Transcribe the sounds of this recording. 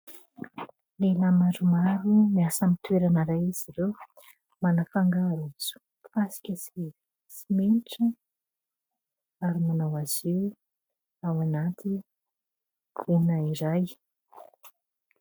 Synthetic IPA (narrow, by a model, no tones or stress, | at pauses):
lelamaɾumaɾimiasamit̪weɾanaɾajiz̥iɾew | manafaŋɡaɾut͡su̥ | fasi̥kʲəsie | simeniʈ͡ʂə | aɾimanawaz̥iw | awanat̪ʰi | unaiɾaj